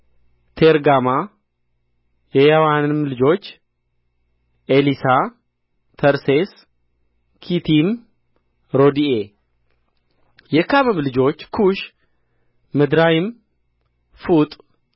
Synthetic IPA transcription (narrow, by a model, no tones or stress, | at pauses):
t̪ʰeɾɡama | jɛjawanɨmlɨd͡ʒo̞t͡ʃː | ʔelisa | t̪ʰəɾses | kʰit̪ʰim | ɾo̞d̪ie | jɛkʰamɨmlɨd͡ʒo̞t͡ʃːkʰuʃ | ɨd̪ɾajɪm | fut̪ʼ